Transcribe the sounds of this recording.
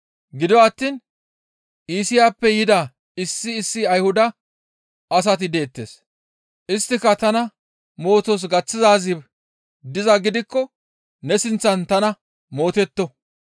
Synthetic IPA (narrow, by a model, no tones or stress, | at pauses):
ɡɪd̪ɔːt̪ːiːn | ʔiːsɪjaːpːɛjɪd̪ɐ | ɪsːɪːsːɪɐjhʊd̪ɐ | ɐs̬ɐt̪ɪd̪eːt̪ːḛːs | ʔɪst̪ːɪkːɐt̪ɐnɐ | mo̞ːt̪os̬ɡɐt͡sːɪzaːzɪb | d̪ɪzɐɡɪd̪ɪkːɔ | nɛsɪnt͡sːɐnt̪ɐnɐ | mo̞ːt̪ɛt̪ːɔ